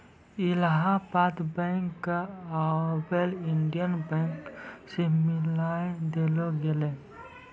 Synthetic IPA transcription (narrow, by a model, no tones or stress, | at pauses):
ilɦapat̪bɛ̃ŋkːaabeliɳɖijənbɛ̃ŋksemɪlaed̪eloɡele